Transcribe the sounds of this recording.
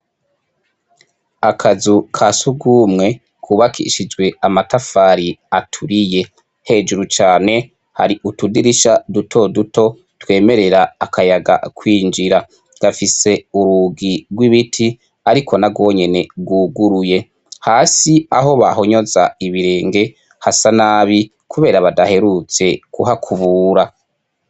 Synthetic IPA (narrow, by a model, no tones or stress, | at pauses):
akʰazukʰasuɡuːmŋe̞ | kʰuβakʰḭʃid͡ʒɡwe̞amatafaːɾiatʰuɾije̞ | he̞ːd͡ʒuɾut͡ʃaːne̞ | ha̰ɾiʔutudiɾiʃadutʰo̞duto̞ | twe̞ːme̞ɾe̞ɾaːkʰajaɡa̰kʰwiːnd͡ʒiɾa | ɡ̥afise̞uɾuːɡiɾɡwiβitʰi | aɾikʰo̞nabɡwo̞ːɲe̞ne̞ɡwuːɡuɾuje̞ | haːsiaɦo̞βa̰ɦo̞ɲo̞zaiβiɾe̞ːŋɡe̞ | hasanaːβi | kʰuβe̞ːɾaβadahe̞ɾut͡se̞kuɦakʰuβuːɾa